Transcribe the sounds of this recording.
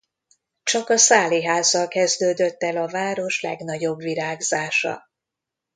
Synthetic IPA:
t͡ʃɒkɒsaːliɦaːzːɒlkɛzd̪øːd̪ø̞t̪ːɛlɒvaːɾo̞ʃlɛ̰ɡnɒɟo̞bʋiɾaːɡzaːʃɒ̰

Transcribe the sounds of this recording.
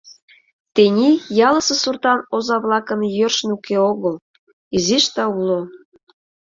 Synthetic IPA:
t̪enʲijɑləsə̆surt̪ɑnozɑβlɑkə̆njørʃnukeoɣəl | iziʃt̪ɑulo

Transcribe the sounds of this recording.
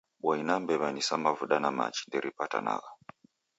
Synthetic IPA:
ɓwainambɛβanisamavuɗanama̰t͡ʃi̥ndɛɾʔipata̰na̰ɣa

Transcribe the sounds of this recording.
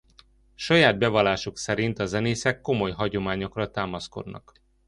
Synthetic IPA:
ʃɒjaːd̪̚bɛvɒlaːʃuksɛɾint̪ɒzɛneːsɛkːo̞mo̞jɦɒɟo̞maːɲo̞krɒt̪aːmɒsko̞̰d̪nɒ̰k

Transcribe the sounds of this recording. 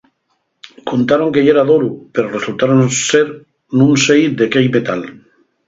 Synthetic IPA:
kont̪aɾo̞ŋkejeɾaðoɾupeɾoresult̪aɾonseɾ | nũnsejd̪e̞kejmet̪al

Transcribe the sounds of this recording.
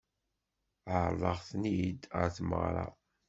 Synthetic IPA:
əʕɾˤðˤɑʁθnid̪ə̰ɾθmə̰ʁɾˤɑ̰

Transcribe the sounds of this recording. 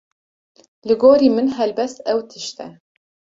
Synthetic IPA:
lɨɡoːɾiːmɨnɦɛlbɛst̪ɛwt̪ʰɨʃt̪ɛ

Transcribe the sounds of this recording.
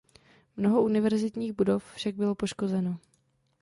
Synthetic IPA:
mno̞ɦo̞ʔunɪvɛɾzɪt̪ɲiːɣbudo̞ffʃaɡ̚bɪlopo̞ʃko̞zɛno

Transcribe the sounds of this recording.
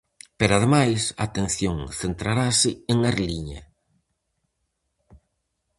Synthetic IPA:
peɾaðemajsaːt̪ẽnθjoŋθent̪ɾaɾasɪeŋaɾliɲa̰

